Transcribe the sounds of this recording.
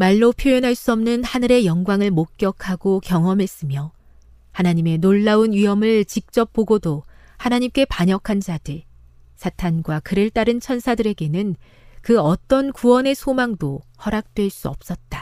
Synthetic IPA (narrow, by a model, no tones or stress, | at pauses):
maɭːopʰjojʌnɦaɭs͈uʌmnɯnhanɯɾe̞jʌŋɡwaŋɯɭmok̚k͈jʌkʰaɡokjʌŋʌmɦe̞s͈ɯmjʌ | hanaɲime̞noɭːaunɥiɦʌmɯɭt͡ɕik̚t͡ɕ͈ʌp̚p͈oɡodo | hanaɲimk͈e̞paɲʌkʰand͡ʑadɯ | sʰatʰanɡwakɯɾɯɭt͈aɾɯnt͡ɕʰʌnsʰadɯɾe̞ɡe̞nɯn | kɯʌt͈ʌnkuwʌne̞sʰomaŋdohʌɾak̚t͈we̞ɭs͈uʌp̚s͈ʌt̚t͈a